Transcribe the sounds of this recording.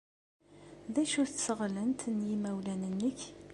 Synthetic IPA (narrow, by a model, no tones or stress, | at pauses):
ðæʃʊɾθsəʁlənt̪njimæwlænənːəç